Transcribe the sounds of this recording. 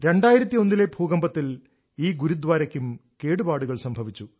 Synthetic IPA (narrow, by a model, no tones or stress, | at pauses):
ɾe̞ɳɖaːjiɾɐt̪ːio̞nːile̞bʱuːɣɐmbɐt̪ːil | iːɡuɾud̪ʋaːɾɐkʲːumke̞ːɽubaːɽuɣɐɭsɐmbʱɐʋit͡ɕːu